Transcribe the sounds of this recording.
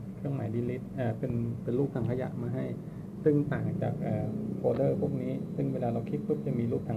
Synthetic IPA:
kʰɾɯ˥˩əŋmaː˩˦jdiː˧li˦˥t̪̚ʔaː˨˩pe˧npe˧nluː˥˩p̚t̪ʰaː˧˩ŋkʰa˧ja̰˨˩ʔmaː˧ɦa˥˩j | sɯ˥˩ŋt̪aː˨˩ŋt͡ɕa̰ː˨˩k̚ʔaː˨˩fʰoː˧dɤː˥˩pʰu˥˩ək̚niː˦˥sɯ˥˩ŋweː˧laː˧ɾa˧wkʰi˦˥t̪̚pʰu˦˥˩t͡ɕa˨˩miː˧luː˥˩p̚t̪ʰaː˧

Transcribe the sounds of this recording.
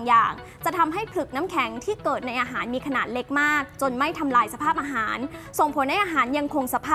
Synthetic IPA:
ŋjaː˨˩ŋ | t͡ɕa˨˩t̪ʰa˧mɦa˥˩jpʰlɯ˨˩k̚naː˦˥mkʰɛ˩˦ŋt̪ʰiː˥˩kɤː˨˩t̪̚na˧jʔaː˧ɦaː˩˦nmiː˧kʰa˧naː˨˩t̪̚le˦˥k̚maː˥˩k̚t͡ɕo˧nma˥˩jt̪ʰa˧mlaː˧jsa˧pʰaː˥˩p̚ʔaː˧ɦaː˩˦nso˨˩ŋpʰo˩˦nːa˧jʔaː˧ɦaː˩˦nja˧ŋkʰo˧ŋsa˧pʰaː˥

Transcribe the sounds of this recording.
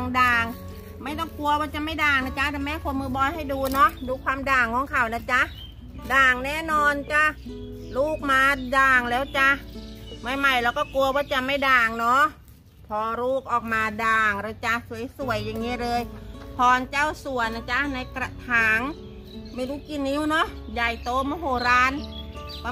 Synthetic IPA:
daː˧˩ŋ | ma˧˥˩jt̪ɔ˥˩ŋku˧ɐ˧bɔː˧˩t͡ɕa˧˨ma˧˥˩jdaː˨˧˩ŋna˧˩t͡ɕa˧˥t̪ʰa˧˩mɛː˦˥kʰu˧˦mɯː˧bɔː˧jha˥˩jduː˧nɔ˦˥ʔduː˧kʰwaː˧mdaː˨˩ŋkʰɔː˨˦ŋkʰa˨˩wna˧˩t͡ɕa˧˥ʔ | daː˨˩ŋnɛː˧˥˩nɔː˧nt͡ɕa˧ | luː˥˩k̚maː˧daː˧˩ŋlɛː˦˥wt͡ɕa˧˩ma˧˩jma˧˩jlɛː˦˥wkɔː˧˩ku˧ɐbɔː˧˥˩t͡ɕa˧˨ma˧˥˩jdaː˧˩ŋnɔ˦˥ʔ | pʰɔː˧ɾuː˥˩k̚ʔɔː˨˩k̚maː˧daː˨˩ŋɾɛː˧˥˩t͡ɕa˧˩su˨˦jsu˨˩əjːa˨˩ŋːiː˦˥˨lɤː˧jpʰɔː˧nt͡ɕa˧˩wsu˨˩əjna˧˩t͡ɕa˧˥na˧jkɾa˧t̪ʰaː˨˦ŋ | ma˧˥˩jduː˧˦ki˧nːi˧˥˨wnɔ˦˥ja˨˩jt̪oː˧maː˧˥˩hoː˨˩ɾaː˧n˧

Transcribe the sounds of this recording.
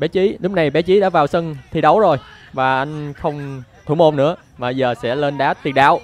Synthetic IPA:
ɓɛ˨˦t͡ɕi˨˦lʊ˦˥k͡p̚na˨˩jɓɛ˨˦t͡ɕi˨˦ɗa̰ː˧˥vaː˨˩wsə˧nt̪ʰi˨˩ɗə˨˦wzo˨˩j | vaː˨˩ʔa˧jŋ̟xə˧wŋ͡mt̪ʰṵ˧˩˦mo˧˩mnɨ̰˧˥ə | maː˨˩˧jzəː˨˩sɛ̰˧˥le˧nɗaː˨˦t̪i˨˩n̚ɗa̰ː˧˨w

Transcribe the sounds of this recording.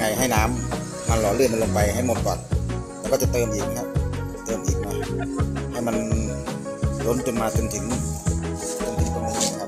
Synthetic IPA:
ŋa˧˩jɦa˥˩jnaː˨˦˥mː | a˧nlɔː˨˦lɯ˧˩˨nm˧lo˧pa˧jha˥˩jmo˧t̪̚kɔ˨˩nlɛː˧˩kɔː˧˩t͡ɕa˧˩t̪ɤː˧mʔiː˨˩k̚ha˧˥t̪ɤː˧mʔiː˨˩k̚maː˧ha˧˩jma˧n | do˧˦nt̪ɯ˧nmaː˧t̪ɤ˧mt̪ʰɯ˨˦ŋ | t̪ɤː˧nt̪ʰɯ˨˦ŋ˧˩˧a˧

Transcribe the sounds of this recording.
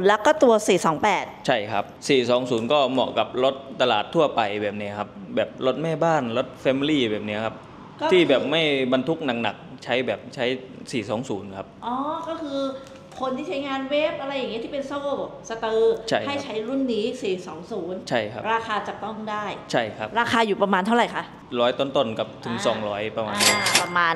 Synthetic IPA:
lɛ˦˥kɔː˥˩t̪u˧ɐsiː˨˩sɔː˩˦ŋpɛː˨˩t̪̚t͡ɕʰa˥˩jkʰa˦˥p̚siː˨˩sɔː˩˦ŋsuː˩˦nkɔː˥˩mɔ̰ː˨˩ka˨˩p̚ɾo˦˥t̪̚ːa˧laː˨˩t̪ʰːu˥˩ɐpa˧jbɛː˨˩p̚ni˦˥ɐkʰa˦˥p̚bɛː˨˩p̚ɾo˦˥t̪̚mɛː˥˩baː˥˩nlo˦˥t̪̚fe˦˥mi˧liː˥˩bɛː˨˩p̚ni˦˥ɐkʰa˦˥p̚ | kɔː˥˩iː˥˩bɛː˨˩p̚ma˥˩jba˧nt̪ʰu˦˥k̚na˨˩k̚na˨˩k̚t͡ɕʰa˦˥jbɛː˨˩p̚t͡ɕʰa˦˥jsiː˨˩sɔː˩˦ŋsuː˩˦nkʰa˦˥p̚ʔɔː˧˦kɔː˥˩kʰɯː˧ | kʰo˧˦nt̪ʰiː˥˩t͡ɕʰa˦˥jŋaː˧nweː˦˥p̚ʔa˧ɾa˧jːŋi˦˥t̪ʰiː˥˩pe˧nso˥˩˨sa˧t̪ɤː˧t͡ɕʰa˥˩kʰha˥˩jt͡ɕʰa˦˥jɾu˥˩nːiː˦˥siː˨˩sɔː˩˦ŋsuː˩˦nt͡ɕʰa˥˩jkʰa˦˥ɾaː˧xaː˧t͡ɕa˨˩t̪ɔ˥˩ŋdaː˥˩jt͡ɕʰa˥˩jkʰa˦˥p̚ɾaː˧xaː˧juː˨˩pɾa˧maː˧nt̪ʰa˥˩wɾa˨˩jkʰa˦˥ʔ | ɾɔː˦˥jt̪o˥˩nt̪o˥˩nka˧˩p̚t̪ʰɯ˨˩˦ŋsɔː˨˩ŋɾɔː˦˥jpa˧maː˧n˥pa˧maː˧n

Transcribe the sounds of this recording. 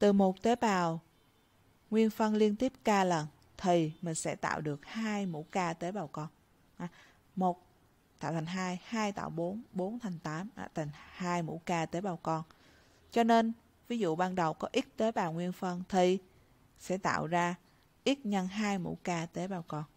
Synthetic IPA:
t̪ɨ˨˩mo˨˩t̚t̪e˨˦ɓaː˨˩w | ŋwi˧ənfə˧nli˧ənt̪i˦˥əp̚kaː˧lə˨˩n | t̪ʰi˨˩mï˨˩ŋ̟sɛ̰˧˥t̪a̰ː˧˨wɗɨ˨˩ək̚haː˧jmṵ˧˥kaː˧t̪e˨˦ɓaː˨˩wkɔ˧n | ʔa˧ | mo˨˩t̚ | t̪a̰ː˧˨wt̪ʰa˨˩ŋ̟ɦaː˧jhaː˧jt̪a̰ː˧˨wɓo˨˦nɓo˨˦nt̪ʰa˨˩jŋ̟t̪aː˨˦mʔa̰˧˨˩t̪ʰa˨˩jŋ̟haː˧jmṵ˧˥kaː˧t̪e˨˦ɓaː˨˩wkɔ˧n | t͡ɕɔ˧ne˧n | vi˨˦zṵ˧˨ɓaː˧nɗə˨˩wkɔ˨˦ʔi˦˥k̚t̪e˨˦ɓaː˨˩wŋwi˧ənfə˧nt̪ʰi˨˩ | sɛ̰˧˥t̪a̰ː˧˨wzaː˧ | ʔi˦˥t̚ɲə˧nɦaː˧jmṵ˧˥kaː˧t̪e˨˦ɓaː˨˩wkɔ˧n

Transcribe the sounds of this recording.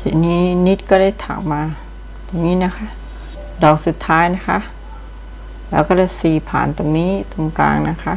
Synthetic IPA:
sḭ˧˨niː˧˥˩ni˧˦˥t̪̚kɔː˧˩da˧˥˩jt̪ʰaː˨˩m̚maː˧ | t̪o˨˧˨ŋiː˦˥na˧˥kʰa˧˥ʔ | dɔ˧˩ŋsu˧˦t̪ʰːaː˦˥˨jna˦˥kʰa˧˥ʔ | lɛː˧˥˩wkaː˧˩da˧˩jsiː˨˩pʰa̰ː˨˩nt̪o˨ŋniː˧˥˨t̪o˨˧˨ŋka̰ː˨˧ŋna˧˥kʰa˧˥

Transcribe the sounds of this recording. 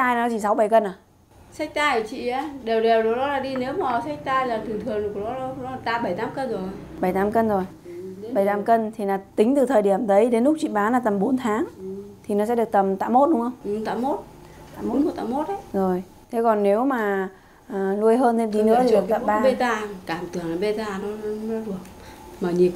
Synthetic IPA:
t̪aː˧jnɔ˨˦zi˧˩sa˨˦wɓə˧˩jkə˧nʔaː˨˩ | sa˦˥k̟̚t̪aː˧jt͡ɕḭ˧˨aː˨˦ɗe˨˩wɗe˨˩wɗɔ˨˦ɗɔ˨˦laː˨˩ɗi˧ne˨˦wmaː˨˩sa˦˥jk̟̚t̪aː˧jlaː˨˩t̪ɨ˨˩t̪ʰɨ˨˩əŋ˨˩ɗɔ˨˦lɔ˨˦ɔ˨˦˨t̪aː˧˦ɓə˧˩jt̪aː˨˦mkə˧nzo˨˩˨ | ɓə˧˩jt̪aː˨˦mkə˧nzo˨˩j | ɓə˧˩jt̪aː˨˦mkə˧nt̪ʰi˨˩laː˨˩t̪ï˨˦ŋ̟t̪ɨ˨˩t̪ʰəː˨˩jɗi˧˩əmɗə˨˦jɗe˨˦nlʊ˦˥k͡p̚t͡ɕḭ˧˨ɓaː˨˦naː˨˩t̪ə˨˩mɓo˨˦nt̪ʰaː˨˦ŋt̪ʰi˨˩nɔ˨˦sɛ̰˧˥ɗɨ˨˩əkt̪ə˨˩mt̪a̰ː˧˨mo˦˥t̚ɗʊ˨˦ŋ͡mxə˧wŋ͡mʔɨ˨˩t̪a̰ː˧˨mo˦˥t̚ | a̰ː˧˨m˦mo˦˥t̪a̰ː˧˨mo˦˥t̚ʔə˨˦zo˨˩j | t̪ʰe˨˦kɔ˨˩nːe˨˦wmaː˨˩ | əː˨˩nu˧əjɦəː˧nt̪ʰe˧nt̪ʰi˨˦nɨ̰˧˥t̪ʰi˨˩kt̪ə˨ɓaː˧ɓe˧t̪aː˧˩kaː˧˩mt̪ɨ˨˩əŋlaː˨˩ɓe˧t̪aː˧nɔ˨˦˨ɔ˨˦zu˧˩ək̚maː˨˩ɲi˨˩

